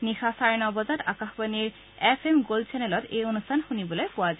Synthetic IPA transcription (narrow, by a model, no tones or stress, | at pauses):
nixaʃaenɔbɔd͡ʑaɾakaxbaniɾ | efemɡolt͡ɕɛneloɾejonustʰanhunibolepoad͡ʑa